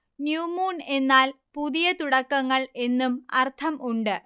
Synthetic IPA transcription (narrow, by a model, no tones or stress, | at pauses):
njuːmuːne̞nːaːl | puðijɐt̪uɽɐkːɐŋːɐɭe̞nːumɐ̰rt̪ʰɐmʔuɳɖɨ